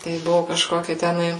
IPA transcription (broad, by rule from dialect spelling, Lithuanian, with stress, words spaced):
tɐɪ ˈbʊʋʊ kɐʃˈkoːkʲɪ tʲɛˈnɐɪ